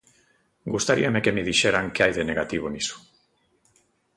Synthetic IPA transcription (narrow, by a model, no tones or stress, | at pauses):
ɡust̪aɾḭamekemiðiʃeɾaŋkeajðene̞ɣat̪iβ̞onisu̥